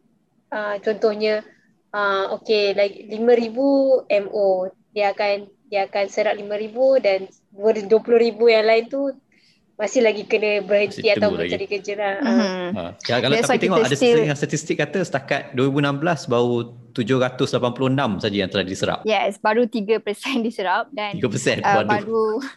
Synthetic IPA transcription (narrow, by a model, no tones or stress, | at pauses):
ət͡ʃɔnt̪ʊhɲə̃ | əmokelaɡilimə̃ɾibuɛmo | diaːkan | diaːkansəɾaʔ̚limə̃ɾibudan | duəduəpulʊhɾibujaŋlaɪnt̪u | masɪhlaɡikənə̃bəɾhəniat̪awbəaɾikəd͡ʒəɾa̰ | kalaait̪eŋɔʔadəsəŋast̪at̪ist̪ɪkːat̪əsə̥t̪akat̪̚duəɾibunãmbəlasbau | t̪ud͡ʒʊhɾat̪ʊslapanpulʊhənãmsad͡ʒəjaŋt̪əlahdisəɾa̰p̚jɛsbaɾut̪iɡəpəsɛndisəɾap̚daniɡəpəsɛnadbuaɾu